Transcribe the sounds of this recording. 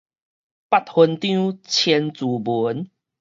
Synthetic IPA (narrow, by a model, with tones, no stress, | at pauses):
pa˦˨t̚hu˧nt̪jũ˦t͡ɕʰɛ˧nt͡su˨˩bu˨˦n